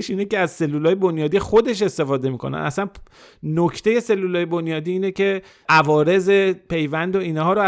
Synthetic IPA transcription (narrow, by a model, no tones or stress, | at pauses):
iʃiːneceæzse̞lːuːlɒːjebonjɒːd̪ixo̞d̪e̞ʃ̬est̪e̞fɒːd̪e̞miːkʰonæ̰næ̰sæn | nocʰt̪ʰe̞je̞se̞lːuːlɒːje̞bonjɒːd̪iːiːnecʰe̞ | ʔævɒːɾe̞ze̞pe̞jvænd̪oiːnhɒːɾo